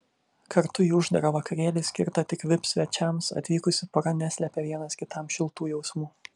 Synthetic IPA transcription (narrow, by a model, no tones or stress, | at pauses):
kʰɐɾt̪ʊiːʊʒd̪ɐɾɐʋɐkɐɾʲeːlʲɪsʲkʲɪ̰ɾt̪ɐt̪ʲɪkʋʲɪpsʲʋʲɛt͡ʃʲɛmsɐ̰t̪ʲʋʲiːkʊsʲɪpɐɾɐnʲɛsʲlʲɛpʲɛʋʲiɛnɐskʲɪt̪ɐˑmʃʲɪlˠt̪uːjɛʊsmuː